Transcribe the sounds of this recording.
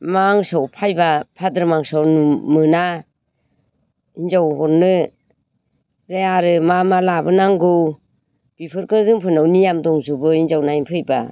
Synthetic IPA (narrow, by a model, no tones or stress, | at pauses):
maŋsawpʰajbapʰadɯɾmaŋsawnɯmɯna | inzawɦɔnːɯ | ɾeaɾɯmamalabɯnaŋɡɯw | b̥ipʰɯɾkʰɯzɯŋpʰɯnawnijamdɔŋzubɯinzawnainpʰɯjba̰